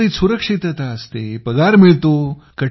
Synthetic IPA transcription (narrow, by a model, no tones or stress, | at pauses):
isuɾəkʂit̪jət̪aəst̪epəɡaɾmiɭt̪o | kə